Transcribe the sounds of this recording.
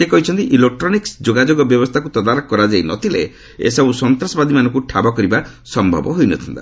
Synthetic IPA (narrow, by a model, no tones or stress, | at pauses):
ekɔɦit͡ʃʰɔnt̪iʔilek̚ʈɾɔniksd͡ʒoɡad͡ʒoɡɔbjɔbɔst̪ʰakut̪ɔd̪aɾɔkkːɔɾad͡ʒajnɔt̪ʰilḛ | ḛsɔbusɔnt̪ɾɔsɔbad̪ʱimanɔŋkuʈʰabɔkɔɾiba | sɔmbʱɔ̰bɔɦojnɔt̪ʰɔnt̪a̰